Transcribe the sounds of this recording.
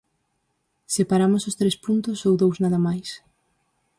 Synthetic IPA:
sepaɾamʊsʊst̪ɾespunt̪ʊsowðowznaðɐmajs

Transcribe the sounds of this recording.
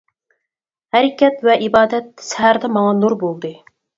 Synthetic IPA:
hæɾɪkʲɛt̪vɛʔibɑːd̪ɛt̪̚sɛɦæɾd̪ɛmɑŋɑnuɾbolˠd̪ɨ

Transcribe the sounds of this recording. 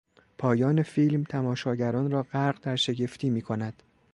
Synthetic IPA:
pʰɒːjɒːne̞fiːlmt̪ʰæmɒːʃɒːɟæɾɒːnɾɒːɢæɾɢd̪̥æɾʃe̞ɟe̞ft̪ʰiːmiːkʰo̞næd̪̥

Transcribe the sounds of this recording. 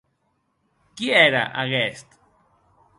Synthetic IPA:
kieɾa̰ʔaɣɛst̪

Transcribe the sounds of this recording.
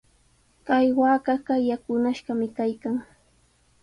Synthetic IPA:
kajwaːkɑɢajakʊnaʃɢɑmɪkajkaŋ

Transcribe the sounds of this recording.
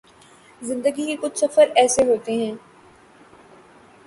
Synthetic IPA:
zɪ̃nd̪əɡikekʊt͡ʃʰsɐfəɾɛːseɦoːt̪eɦɛ̃ː

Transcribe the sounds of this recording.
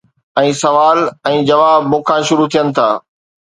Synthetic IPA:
ɛ̃ːsɐʋaːlɛ̃ːd͡ʑɐʋaːbmʊ̃ːkʰãʃʊɾut̪ʰijənɪ̆t̪ʰaː

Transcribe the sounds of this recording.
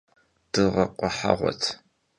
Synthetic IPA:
d̥ɨʁɐqʷʼɔħaʁʷɔ̰tʰ

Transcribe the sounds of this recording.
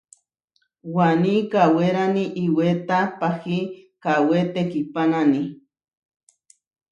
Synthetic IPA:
wanikaweɾaniʔiwet̪apahikawet̪ekipanani

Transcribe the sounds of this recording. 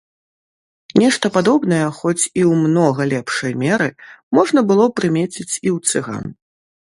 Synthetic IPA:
nʲɛʂt̪ɐpad̪ɔbn̪ɐjɐxɔt͡sʲiwmnɔɣɐlʲɛpʂɐjmʲɛɾɨmɔʐn̪ɐbɨlˠɔpɾɨmʲet͡sʲit͡sʲiwt̪sɨɣa̰n

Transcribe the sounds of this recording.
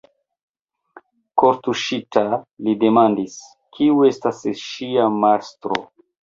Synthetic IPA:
koɾtuʃitalide̞mandis | kʰiue̞stasʃiamaɾstɾo̰

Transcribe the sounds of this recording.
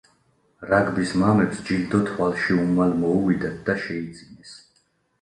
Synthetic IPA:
ɾaɡbismamɛpsd͡ʒild̪ɔt̪ʰwalˠʃiumalmɔuvid̪ɛt̪̚ʰd̪aʃɛid̪z̥ʼinɛs

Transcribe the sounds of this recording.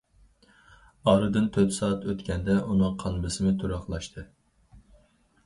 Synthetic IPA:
ɑːɾɨd̪ɨnt̪ʰøt̪sɑːɑt̪ʰøt̪kʲɛnd̪ɛʔunɨŋqʰɑnˠbɨsɨmɨt̪ʰuɾɑχlˠɑʃt̪ʰɨ

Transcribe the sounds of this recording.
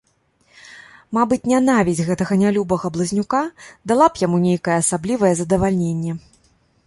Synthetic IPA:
mabɨt͡sʲnʲanavʲizʲɣɛt̪ɐɣɐnʲalʲubɐɣɐblˠɐzʲnʲukad̪alˠapjamunʲejkɐjɛːsablʲivɐjɛzɐd̪ɐvalʲnʲenʲːɛ

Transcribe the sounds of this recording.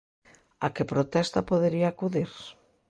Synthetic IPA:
akepɾot̪ɛst̪apoðeɾiaːkuðiɾ

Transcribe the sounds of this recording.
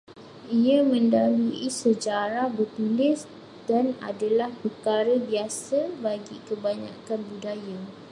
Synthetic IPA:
iamə̃ndaluisəd͡ʒaɾahbərt̪ulɪs | dana̰dalahpərkaɾəbiasabaɡikəbaɲa̰kanbudaja

